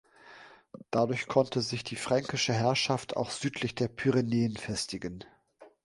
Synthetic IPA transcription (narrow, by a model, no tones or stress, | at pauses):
d̥adʊɐçkʰɔntʰəzɪçd̥iːfʁ̥aŋkɪʃəɦɛɐʃaftʰa̰ʊxz̥yːtʰlɪçd̥eːɐpʰyʁeneːənfɛstɪɡən